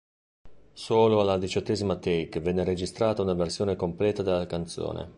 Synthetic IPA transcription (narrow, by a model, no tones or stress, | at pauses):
soːloalːad̪it͡ʃɔt̪ːeːzimat̪eikvɛnːeɾed͡ʒist̪ɾaːt̪aunaversjoːnekomplɛːt̪ad̪elːakant̪so̰ːnʔḛ